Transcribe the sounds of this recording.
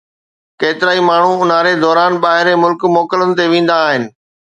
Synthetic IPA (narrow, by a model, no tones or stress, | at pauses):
keːt̪ɪɾaːimaːɳ̤uʊn̤aɾed̪ɔːɾaːnɓaːɦɪɾemʊlkmɔːkələnɪ̆t̪eʋẽːn̆d̪aːɦɪnɪ̆